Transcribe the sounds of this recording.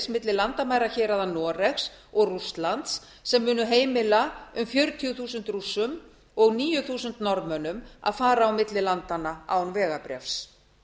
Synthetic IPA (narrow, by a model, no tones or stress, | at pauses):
smɪt̪lɪlant̪amaːjɾaçɛːɾaðanɔːɾɛxs | ɔɣrust̪lant̪sː | ɛmːʏːnʏɦeːjmɪlaʏmfjœɾt̪ʰjʏθuːsʏnt̪rusːʏm | ɔɣniːjʏθuːsʏnt̪nɔɾmœnʏma̰ðfaːɾaːawmɪt̪lɪlant̪anaa̰wnvɛːɣapɾjɛ̰fs